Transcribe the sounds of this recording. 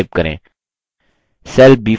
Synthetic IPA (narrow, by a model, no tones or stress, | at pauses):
ɪb̚kəɾḛ̃ː | sɛl̚bi